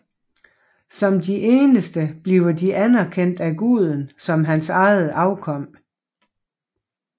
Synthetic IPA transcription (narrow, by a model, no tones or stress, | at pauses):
sɒ̽md̥iʔe̝ːnəsd̥əb̥liʊɐdiʔænæɐkʰen̰d̥æɡ̥uð̞ˠən̩sɒ̽mɦænsɑ̈ɪð̩ˠɑ̈ʊkʰɒ̽m̰